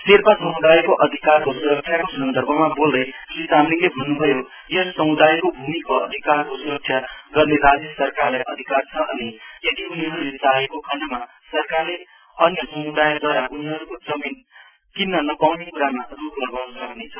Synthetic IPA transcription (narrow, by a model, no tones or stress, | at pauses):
serpasʌmud̪ajekoʔʌd̪ʱikarkosuɾʌk̚sʰjakosʌnd̪ʱʌrbʱʌmabold̪ʌj | risamnilebʱʌnːubʱʌjo | jʌsʌmud̪ʱajekobʱumikoʌ̰d̪ʱikarkosuɾʌk̚sʰjaɡʌrneɾad͡zjʌsʌrkarlajʔʌd̪ʱikart͡sʰʌʔʌnijʌd̪iuniɦʌɾulet͡saɦekokʰʌɳɖma | sʌrkarle | ʌnjʌsʌmud̪ajd̪ʱwaɾaʔuniɦʌɾukod͡zʌmin | k̪inːʌnʌpawnekuɾamaruplʌɡawnʌsʌknet͡sʰʌ